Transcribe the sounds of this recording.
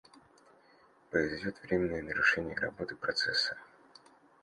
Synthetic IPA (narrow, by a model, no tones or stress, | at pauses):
pɾəɪzvʲɪdʲo̞t̪vɾʲemʲɪnːəjənəɾʊʂɛnʲɪjəɾɐ̰bo̞t̪ɨpɾɐt̪sɛsːə̥